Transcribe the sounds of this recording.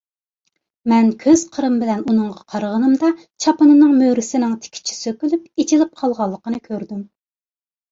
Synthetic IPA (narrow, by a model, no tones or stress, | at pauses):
mɛnkʲʰøz̥qʰəɾɨmbɪlɛnunɨŋʁɑqʰɑɾʁənɨmd̪ɑ | t͡ʃʰɑpɨnɨnɨŋmøɾɪsɪnɪŋt̪ʰɪ̥kʲʰi̥t͡ʃʰi̥søkʲylypet͡ʃʰilɪp̚qʰɑlˠʁɑlˠːəqənɨkʲʰøɾd̪ym